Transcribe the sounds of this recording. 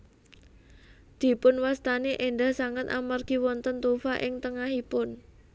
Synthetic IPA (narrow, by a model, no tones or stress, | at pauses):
d̪̥i̤pʊnwast̪aneʔeɳɖahsaŋət̪a̰marɡ̥i̤wɔnt̪ənt̪ufaʔɪŋt̪əŋaɦipʊn